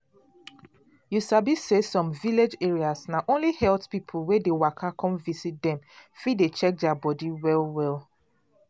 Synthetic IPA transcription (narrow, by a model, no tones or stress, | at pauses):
jusabisesɔ̃mviled͡ʒeɹiasnaʔõnlihɛltpipʰuwedewakʰakɔ̃mvisit̚dɛ̃mfidet͡ʃɛk̚dabɔdiwɛlˠwɛl